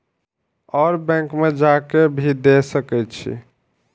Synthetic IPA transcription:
ɔːɾbɛ̃ŋkmed͡ʒakebʱid̪esəkɛjt̪t͡ʃʰḭ

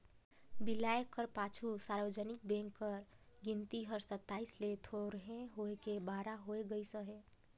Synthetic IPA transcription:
bɪlaːjekəɾpaːt͡ʃʰusaːɾʋəd͡ʒənɪk̚bɛ̃ŋkːəɾɡɪnt̪iɦəɾsət̪ːaːislet̪ʰoɾɦẽɦoekebaːɾaɦoeɡəisəɦeː

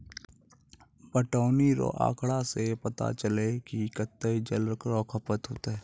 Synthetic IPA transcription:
pəʈaːniɾo̰ʔa̰ːkʰɽasepət̪a̰t͡ʃəlekikət̪ːed͡ʒəlɾəkɾɔːkʰəpət̪ɦoːt̪aɦɛː

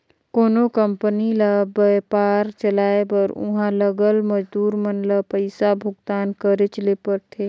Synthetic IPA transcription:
koːnokəmpəniləbəjpaːɾt͡ʃəlaːebəɾʊ̰ɦãləɡəlməd͡ʒd̪uːɾmənləpəɪsabʱʊɡt̪aːnkəɾet͡ʃəlepəɾt̪ʰeː

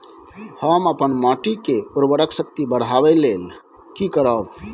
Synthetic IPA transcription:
həməpənmaʈikeuɾbəɽəksək̚t̪ibəɽ̤abɛlel | kikəɾəb

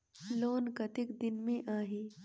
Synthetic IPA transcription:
loːnkɐt̪ɪkd̪ɪnmẽʔaːɦiː

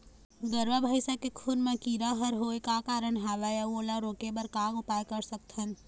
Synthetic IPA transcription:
ɡəɾʋabʱaːɪʃakekʰunmẽkiːɾaɦɐɾɦoːekakaːɾəɳɦaːʋajaoːlaɾoːkebəɾkaːɡʊpaːjkɐɾsɐk̚t̪ɦɐn

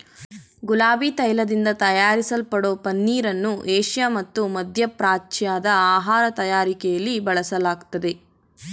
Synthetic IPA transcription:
ɡulaːbiːt̪ɐjlɐd̪ind̪ɐt̪ɐjaːɾisɐlpɐɽo̞ːpɐnːiːɾɐnːuʔeːʂjaːmɐt̪ːumɐd̪ʱjɐpɾaːt͡ʃjaːd̪ɐaːɦaːɾɐt̪ɐjaːɾikɛjɐlːibɐɭɐsɐlaːɡt̪ɐd̪e

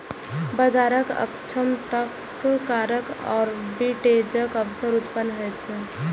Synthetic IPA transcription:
bəd͡ʒaɾəkə̰kt͡ʃʰəmt̪əkː | kaɾəkɔ̰ːɾbiʈed͡ʒəkəbsəɾut̪pənːɦɛtt͡ʃʰɛ

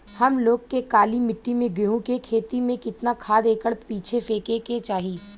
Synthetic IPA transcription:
hɐmloːɡkekaːlimɪʈːimẽɡɪɦũkekʰeːt̪imẽkɪt̪nakʰaːd̪eːkəɽpiːt͡ʃʰefeːkeket͡ʃaːɦiː

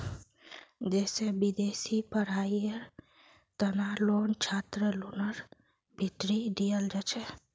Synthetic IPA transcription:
d͡ʒɛsebid̪esipəɾ̤aiəɾ | t̪ənalont͡ʃʰat̪ɾəlunəɾ | bʱiʈ̪ɾiɖijəld͡ʒat͡ʃʰɛ

